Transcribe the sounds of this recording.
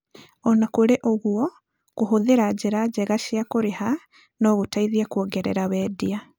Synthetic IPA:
ɔnakoɾeʔoɣuɔ | koɦoðeɾad͡ʑeɾad͡ʑɛɣaʃiakoɾeha | nɔɣotaiðiakwɔɡɛɾɛ̰ɾawɛːdia

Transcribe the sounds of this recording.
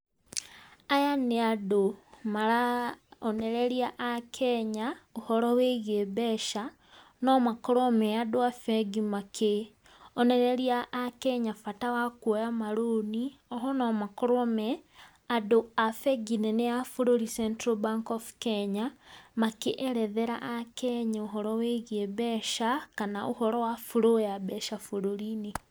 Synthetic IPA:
ajaneadomalaoneɾeɾjaʔakʰeɲauhoɾoweɣebeʃa | nomakoɾomeadoafeɡimakʰe | oneɾeɾjaʔːkeɲafatawakwojamaɾoniɔɦɔnɔmakoɾɔmɛ | adoafɛɡineneafuɾoɾisɛntɾobaŋkɔfkɛɲamakeʔɛɾɛðɛɾa̰ʔakɛɲeoɦɔɾɔweɣeβɛʃakanaʔohɔɾɔwafuɾoeabɛʃafuɾoɾine

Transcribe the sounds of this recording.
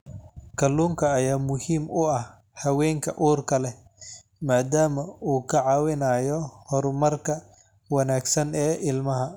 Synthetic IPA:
kʰɐlːuːŋkʰɐːjaːmʊhiːmʊɐh | hɐwɛːŋkʰɐʔuːrkʰɐlɛ | maːd̪aːmɐuːkʰɐʕɑwɪnaːjɔhɔɾmɐrkʰɐ | wɐnaːɡsɐnɛːʔɪlmɐɦɐ

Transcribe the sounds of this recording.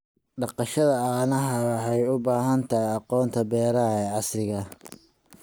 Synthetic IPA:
ɖɑqɑʃɐðɐɑnɐɦɐwɑħɑjʊbaːɦɐnt̪ʰɐɦjɑqɔːnt̪ʰɐbɛːɾɐɛːʕɑsrɪɣɐ

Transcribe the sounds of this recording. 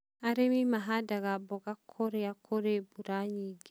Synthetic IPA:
aɾemimaɦadaɡabɔɡakʰːoɾeakʰoɾebuɾaɲiɡi

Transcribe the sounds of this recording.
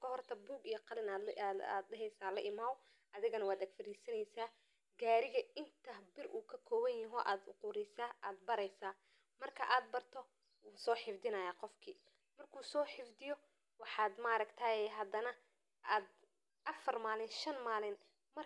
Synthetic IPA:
kʰɐɦɔrt̪ʰɐbuːɡijɔqɑlɪnaa̰ːd̪dɛɦɛjsaːlɐ̰ʔɪmaːw | ʔɐðɪɣɐnɐwaːd̪ɐɡfɐɾiːsɐnɛjsaː | ɡaːɾɪɣɐɪnt̪ʰɐbɪrʔuːkʰɐkʰɔːwɐjjɪɦɔːʔaːd̪ʊ̰qʊːɾɛsaːʔaːd̪̚bɐɾɛjsaː | mɐrkʰɐʔaːd̪̚bɐrt̪ʰɔ | wuːsɔːħɪfd̪ɪnɐjaːqɔfkʰiː | mɐrkʰuːsɔːħɪfd̪ɪjɔ | wɑħɑːd̪maːɾɐkt̪ʰaːjɛɦɐd̪ɐnɐ | aːd̪ | ʔɐfɐrmaːlɪnʃɐnmaːlɪn | mɐ

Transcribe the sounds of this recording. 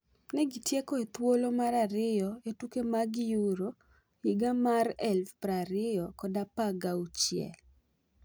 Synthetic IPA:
nɛɡitjekɔet̪wolomaɾaɾɪjɔetukemaɡjuɾo | ɪɡamaɾɛlfpɾaɾɪjɔkɔdapaɡaut͡ʃjɛ̰l

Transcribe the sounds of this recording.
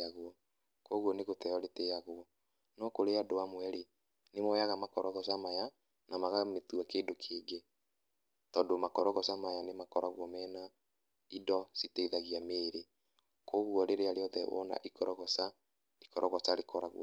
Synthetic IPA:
aɣwɔ | koɣwɔneɣotɛɔɾetejaɣoɔ | nɔkoɾeadowamwɛɾe | nemɔjaɣamakɔɾɔɣɔsamaja | namaɣametuakeːndokʰeːŋɡe | tɔːndomakɔɾɔɣɔsamajanemakɔɾaɣwɔmɛːna | idɔsiteðaɣiameːɾe | koɣwɔɾeɾeaɾeɔðɛ̰wɔ̰na̰ʔikɔɾɔɣɔsa | ɾe̥kɔɾɔɣɔsaɾekʰɔɾaɣw̰ɔ̰

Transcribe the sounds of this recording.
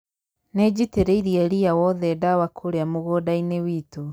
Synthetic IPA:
ned͡ʑiteɾeiɾiɛɾiawɔðɛdawakʰoɾeamoɣodainewiːto

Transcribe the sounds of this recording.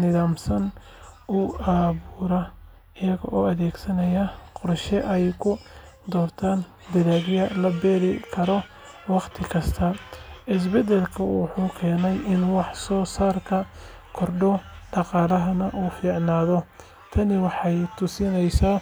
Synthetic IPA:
nɪðaːmsɐn | ʔʊɑːβuːɾɐ | ɪjɐɣɔ̰ʔɔːɐðɛːɡsɐnɐjɐqɔɾʃɛʔɛjkʰʊ | d̪ɔːrt̪ʰaːn | d̪ɐðaːɣjɐlɐbɛːɾɪkʰɐɾɔ | wɑqt̪ʰɪkʰɐst̪ʰɐʔɪs̬bɛd̪ɛlkʰɐwʊħuːkʰɛːnɛjɪnwɑħsɔːsaːrkʰɐ | kʰɔrɖɔɖɑqɑːlɐɦɐnɐʔuːfiːʕnaːðɔ | t̪ʰɐnɪwɑħɑjt̪ʰʊsɪnɛjsa

